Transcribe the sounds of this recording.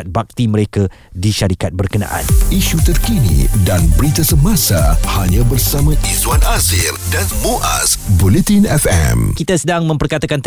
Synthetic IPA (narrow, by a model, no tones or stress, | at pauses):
at̪̚bak̚t̪iməɾeka | diʃaɾikat̪̚bərkəna̰ʔa̰niʃut̪ərkinḭdanbəɾit̪asəmasahaɲãbərsamãʔiswanazirdanmoʔa̰sbulet̪inɛfɛ̰mkit̪asədaŋmə̃mpərkat̪akant̪